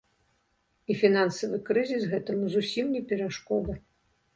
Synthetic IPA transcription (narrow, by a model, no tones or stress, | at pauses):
ifʲinansɐvɨkɾɨzʲisɣɛt̪ɐmuzusʲimnʲɛpʲɛɾaʂkɔd̪ɐ